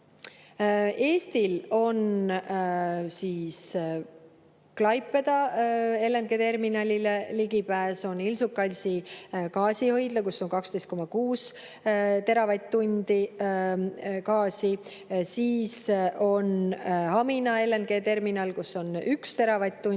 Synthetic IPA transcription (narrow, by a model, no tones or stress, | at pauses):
e̞ːst̪ilo̞n | siːs | klɑjpːˑe̞d̪̥ɑe̞lːe̞nɡ̥e̞t̪e̞rminɑlʲileliɡipæːso̞nilsukːˑɑlʲsikɑːsihɤjd̪̥lɑkusːo̞nkɑkst̪e̞jst̪̚ko̞mɑkuːs | t̪e̞ɾɑvɑjt̪ːunʲd̪̥i | kɑːsi | siːso̞nhɑminɑe̞lːenɡ̥e̞ːt̪e̞rminɑlkusːo̞nykst̪e̞ɾɑvɑjt̪̚ːun